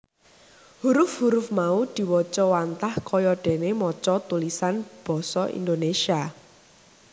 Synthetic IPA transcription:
huɾʊfhuɾʊfmaud̪̥i̤wɔt͡ʃɔwant̪ahkɔjɔɖ̥ɛ̤nemɔt͡ʃɔt̪ulisanb̥ɔ̤sɔʔḭnd̪onesia

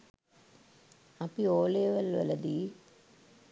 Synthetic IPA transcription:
ɐpioːleːʋɐlʋɐ̰lɐd̪iː

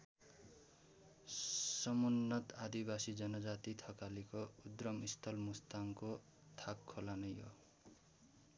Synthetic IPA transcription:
sʌmunːʌt̪ad̪ibasid͡zʌnʌd͡zat̪it̪ʰʌkalikoud̪rʌmist̪ʰʌlmust̪aŋko | t̪ʰakʰːolanʌjɦo̰

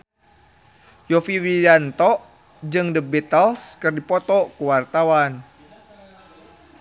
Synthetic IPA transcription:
jɔfiwidant̪ɔʔ | d͡ʒɨŋdəbɛt̪əlskɨrdipɔt̪ɔkuwart̪awan

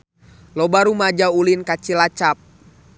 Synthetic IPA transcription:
lɔbaɾumad͡ʒaulinkat͡ʃilat͡ʃap̚

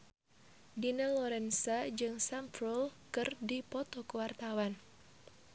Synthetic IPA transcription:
dinalɔɾɛnsad͡ʒɨŋsampɾɔlkɨrdipɔt̪ɔkuwart̪awan

